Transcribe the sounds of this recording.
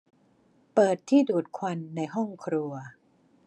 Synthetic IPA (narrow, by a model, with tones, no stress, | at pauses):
pɤː˨˩t̪ʰːiː˥˩duː˨˩t̪̚kʰwa˧nːa˧jɦɔ˥˩ŋkʰɾu˧ɐ